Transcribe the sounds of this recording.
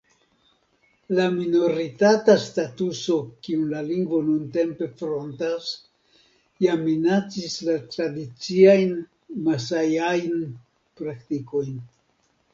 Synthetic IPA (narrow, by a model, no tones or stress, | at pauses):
lamino̞ɾitatastatuso̞kiunlaliŋɡvo̞nunte̞mpe̞fɾo̞ntas | jaminat͡sislatɾadit͡siajn | masajajn | pɾaktiko̞jn